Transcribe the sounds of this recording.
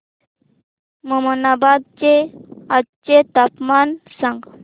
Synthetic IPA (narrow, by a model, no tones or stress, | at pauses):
məmənabad̪̚t͡ɕead̪t͡ɕet̪apmansãŋɡ